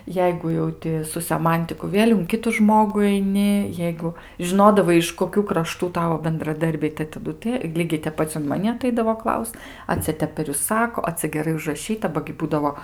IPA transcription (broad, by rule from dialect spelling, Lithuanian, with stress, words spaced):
ˈjɛɪɡʊ jɛʊ ˈtʲɪ sʊ sʲɛˈmɐnʲtʲɪkʊ ˈʋʲeːlʲ ʊn ˈkʲɪtʊ ˈʒmoːɡʊ ɐɪˈnʲɪ ˈjɛɪɡʊ ʒʲɪˈnoːdɐʋɐɪ ɪʃ koːˈkʲuː krɐˈʃtuː ˈtɑːʋoː bʲɛndrɐˈdɐrʲbʲɛɪ tɐɪ tɐˈdʊ tə ˈlʲiːɡʲɛɪ tʲɛp ˈpɐt͡s ʊn mɐˈnʲɪ ɐˈtɐɪdɐʋoː ˈklˠɐʊst ɐ ˈt͡sʲɛ ˈtʲɛp pʲɛr ˈjʊs ˈsɑːkoː ɐ ˈt͡sʲɛ ɡʲɛˈrɐɪ ʊʒrɐˈʃʲiːtɐ ˈbɐ ɡʲɪ ˈbuːdɐʋoː